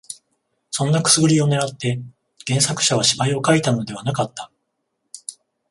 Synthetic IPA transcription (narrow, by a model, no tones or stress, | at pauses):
sõ̞nːakɯ̟̥sɨɡɯ̟ɾʲio̞ne̞ɾat̪ːe̞ | ɡ̥ẽ̞ɰ̃sakɯ̟̥ɕaβ̞aɕibaio̞kait̪ano̞d̪e̞β̞anakat̪ːḁ